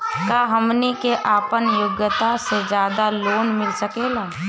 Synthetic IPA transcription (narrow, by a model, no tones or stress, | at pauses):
kaːɦəmnikeʔaːpənjʊɡjət̪ased͡ʒjaːd̪aloːnmɪlsəkeːlaː